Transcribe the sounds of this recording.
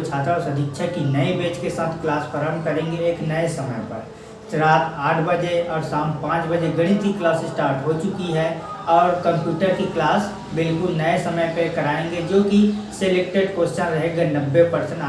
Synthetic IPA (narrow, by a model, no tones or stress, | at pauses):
t͡ʃʰaːt̪aʊsɐd̪ʱɪkʃʰəkinəebeːt͡ʃkesaːt̪ʰklaːspəɾəmkəɾẽːŋɡeːknəesəməjpəɾ | t͡ʃɾaːt̪aːʈʰbəd͡ʒeɔːɾsãːmpãːt͡ʃbəd͡ʒeɡɐɽ̃it̪iklaːsɪsʈaːɾʈɦot͡ʃʊkiɦɛ | ɔːɾkə̃mpjuːʈəɾkiklaːs | bɪlkʊlnəesəməjpekɐɾaːẽŋɡed͡ʒoːkiseleːk̚ʈeɖkoːʃt͡ʃãɾɐɦeɡanəbːepəɾsə̃ɳa